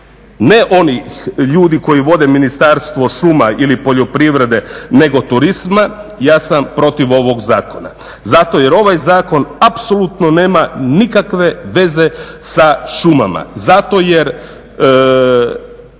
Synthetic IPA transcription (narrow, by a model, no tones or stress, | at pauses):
ne̞ʔo̞nixʎuːd̪iko̞jiʋo̞d̪eminist̪aɾst̪ʋo̞ʃumailipo̞ʎo̞pɾiʋɾe̞d̪e̞ne̞ɡo̞t̪uɾizmajaːsampɾo̞t̪iʋo̞ʋo̞ɡzaːko̞na̰ | zat̪o̞je̞ɾo̞ʋajzaːko̞napso̞lˠut̪none̞ːmanikakʋe̞ʋe̞ze̞saʃuma̰ma̰zat̪o̞jeɾ